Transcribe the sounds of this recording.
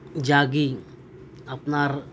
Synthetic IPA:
d͡ʒaːɡi | ɐpnaːɾ

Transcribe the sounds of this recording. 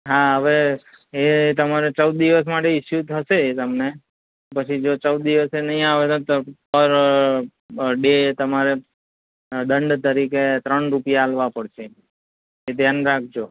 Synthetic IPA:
ɦaɦəʋeː | t̪əmaɾet͡ʃəwd̪̚ːiʋəs̬maʈeɪʃjut̪ʰəʃeːt̪əmne | pət͡ʃʰid͡ʒot͡ʃəwd̪ːiʋəsenəɦĩaʋet̪ot̪opəɾ | ɖet̪əmaɾe | ɗ̪əɳɖt̪əɾiket̪ɾəɳɾupijaːlʋapəɽʃeː | t̪janɾak̚ʰd͡ʒo

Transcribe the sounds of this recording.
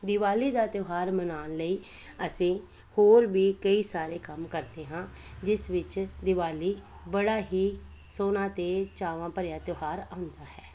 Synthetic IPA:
d̪ɪʋaːliːd̪aːt̪joːɦaːɾmənaːnləiː | əsĩː | hoːɾʋiːkəiːsaːɾeːkəmkəɾd̪eːɦãːd͡ʒɪsʋɪt͡ʃd̪ɪʋaːliː | bəɽaːɦiː | soːnãːt̪eːt͡ʃaːʋãːpəɾɪjaːt̪joːɦaːɾãːʊnd̪aːɦɛː

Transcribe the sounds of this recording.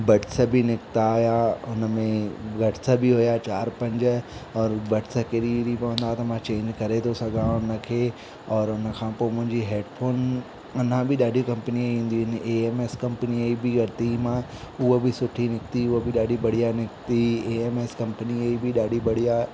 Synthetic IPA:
bɐʈɪsəbɪnɪkɪt̪ajaʊnəmẽɡɐʈɪsəbɪɦʊjat͡ɕaːɾpɐ̃ɲd͡ʑɔːɾbɐʈɪsɐkeɾiɾipɐʋə̃nd̪aɦet̪ɐmãt͡ɕẽːɲd͡ʑkɐɾet̪ʰosɐɡʱãnɐkʰe | ɔːɾʊnə̆kʰãːpoːmʊ̃ɦɪ̃ɲd͡ʑiɦeːɖfoːn | ɐnãbɪɗaːɖʱikɐ̃mpəniaiĩːn̆d̪iʋnʔeeːmeːskɐ̃mpniaibɪɡʱɐɽɪt̪imãʊɦobɪsʊʈʰinɪkt̪iʊɦobɪɗaːɖibɐɽ̤ijanɪkt̪ieːeːmeːskɐ̃mpəniaibɪɗaːɖʱibɐɽija

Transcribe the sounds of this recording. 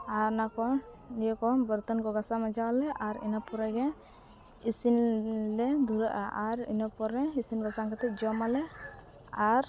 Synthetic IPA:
aɾnakɔ | nijɔkɔbəɾt̪ɔnkɔɡasamad͡ʒawalɛʔaɾḭnɔpɔɾaɡɛ | isinlɛd̪uɾəʔaʔaɾḭnɔpɔɾɛisinbasaŋkʰat̪ɛt̚d͡ʒɔmalɛ | aɾ

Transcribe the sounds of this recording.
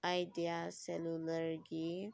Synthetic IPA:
ajdijasɛluləɾɡi

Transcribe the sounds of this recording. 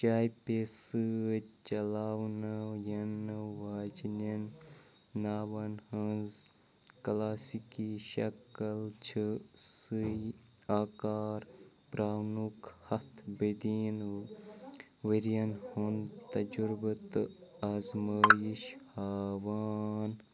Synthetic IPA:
t͡ʃaːjpesɨt͡ʃɐlaːwnajɐnʋaːd͡ʒninː | aːwɐnhɐnz | klaːsikiʃɐkəlt͡ʃʰɨsɨjaːkaːɾ | pɾaːnukhɐt̪ʰbed̪in | ʋiɾijɐnhunt̪ɐd͡ʒuɾbɨt̪azmaːjiʃhaːʋaːn

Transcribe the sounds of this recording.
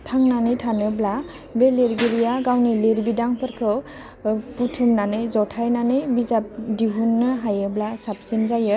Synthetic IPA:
tʰaŋnanɯjtʰanɯbla | beleɾɡiɾijaɡawnɯleɾbidaŋpʰɯɾkʰɯ | putʰumnanɯjzɔtʰajnanɯjbizap̚diɦunːɯɦajɯblasap̚sinzajɯ

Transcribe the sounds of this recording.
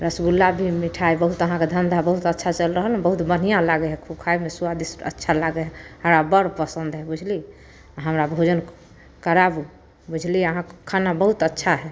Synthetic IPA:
ɾəsɡulːabʱimiʈʰaebəɦut̪əɦãked̪ʱənd̪ʱabəɦut̪ətːʃʰat͡ʃəlɾəɦəlɛbəɦut̪bən̤ijãlaɡeɦɛkʰub̚kʰajmesuad̪isə̰tːʃʰalaɡeɦɛɦəɾabəɾpəsənd̪ɦɛbud͡ʒʱli | ɦəmɾabʱod͡ʒən | kəɾabu | bud͡ʒʱliəɦãkʰːanabəɦut̪ətːʃʰaɦɛ

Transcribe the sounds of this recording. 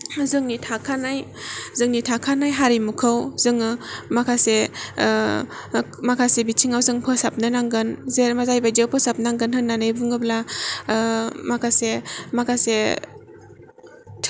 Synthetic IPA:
zɯŋnitʰakʰanajzɯŋnitʰakʰanajɦaɾimukʰɯwzɯŋɯmakʰase | makʰasebitʰiŋawzɯŋpʰɯsap̚nɯnaŋɡɯnzeɾmazajbad͡ʒepʰɯsap̚naŋɡɯnhɯnːanɯjbɯŋɯbla | makʰasemakʰase | tʰ

